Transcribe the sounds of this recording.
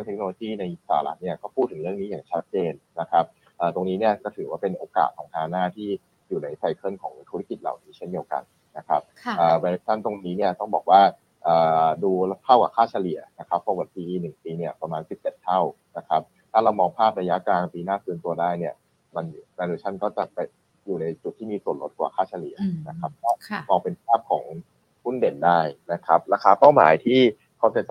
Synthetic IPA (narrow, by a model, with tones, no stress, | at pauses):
ɯ˥˨ŋt̪ʰe˦˥knoː˧loː˧t͡ɕiː˥˩na˧jsaː˩˦la̰˦˥ni˥˩ɐkɔː˥˩pʰuː˥˩t̪ʰːɯ˩˦ɾɯ˥˩əŋniː˦˥jaː˨˩ŋt͡ɕʰa˦˥t̪̚t͡ɕeː˧nːna˦˥kʰa˦˥p̚ | ʔəː˨˩t̪o˧ŋniː˦˥ni˥˩ɐkɔː˥˩t̪ʰɯː˨˩˦waː˥˩pe˧nʔoː˧ka̰ː˨˩t̪̚kʰɔ̰ː˩˦ŋt̪ʰa˧˩a˧naː˥˩t̪ʰiː˥˩ | juː˨˩na˧jfa˧jkʰɤ˥˩nkʰɔː˩˦ŋt̪ʰu˦˥ɾa˦˥ki˨˩t̪̚la̰˨˩wniː˦˥t͡ɕʰe˥˩ndi˧əwka̰˧n | na˦˥kʰa˦˥p̚ʔəː˨˩wɛ˧t̪ʰa˥˩nt̪o˧ŋniː˦˥ni˥˩ɐt̪ɔ˥˩ŋbɔː˨˩k̚waː˥˩ | ʔəː˨˩duː˧t̪ʰa˥˩wka̰˨˩kʰaː˥˩t͡ɕʰa˧li˨˩˦ɐ˦na˦˥kʰa˦˥pːa˧˥kwa˨˩piː˧nɯ˨˩ŋpiː˧ni˥˩ɐpɾa˧maː˧nsi˨˩p̚ːɛ˨˩t̪ʰːa˥˩w | na˦˥kʰa˦˥p̚t̪ʰaː˥˩ɾa˧wmɔː˧ŋpʰaː˥˩p̚ɾa˧ja˦˥kaː˧npiː˧naː˥˩kʰɯː˦˥nt̪u˧ɐdaː˥˩jni˥˩ɐ | ma˧nɾaː˧duː˧˩t͡ɕ̪ʰa˥˩nkɔː˥˩t͡ɕa̰˨˩pa˧j | juː˨˩na˧jt͡ɕu˨˩t̪ʰːiː˥˩miː˧su˨˩ən̚lo˦˥t̪̚kwaː˨˩kʰaː˥˩t͡ɕʰa˧li˨˩˦ɐ˦na˦kʰa˦˥p̚kɔː˥˩mɔː˧ŋpe˧npʰaː˥˩p̚kʰɔ̰ː˩˦ŋ | hu˥˩nde˨˩ndaː˥˩jna˦˥kʰa˦˥p̚ɾaː˧kʰaː˧pa˥˩wma̰ː˩˦jt̪ʰiː˥˩ | kʰa˦˥wt͡ɕa˨˩t͡ɕ